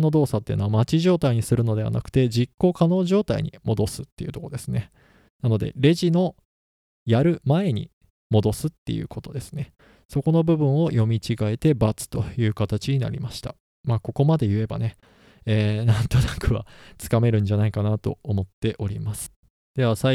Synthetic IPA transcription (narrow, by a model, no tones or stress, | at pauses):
no̞d̪o̞ːsat̪ːḛinoamat͡ɕiʑo̞ːt̪aiɲ̟isɨɾɯ̟no̞d̪e̞βa̰na̰kɯ̟̥t̪e̞d͡ʑikːo̞kano̞ːʑo̞ːt̪aḭɲḭmo̞d̪o̞sɨ̥t̪ːe̞jɯ̟t̪o̞ko̞d̪e̞sɨne̞ | nano̞d̪e̞̰ɾe̞ʑino̞ | jaɾɯ̟mae̞ɲ̟ḭ | mo̞d̪o̞sɨt̪ːe̞̰jɯ̟̰ːkʰo̞t̪o̞d̪e̞sɨ̥ne̞ | so̞ko̞no̞bɯ̟bɯ̟̃ɰ̃o̞jo̞mʲit͡ɕiɡae̞t̪e̞bat͡sɨ̥t̪ojɯ̟ːkat̪at͡ɕiɲ̟ina̰ɾʲḭmaɕi̥t̪a | maːko̞ko̞mad̪e̞jɯ̟e̞ba̰ne̞ | eːnãnt̪o̞nakɯ̟βa̰t͡sɨ̥kame̞ɾɯ̟̃ɲ̟d͡ʑanaikanat̪o̞̰ːmo̞t̪ːe̞ʔo̞ɾʲimasɨ̥ | d̪̥e̞βasa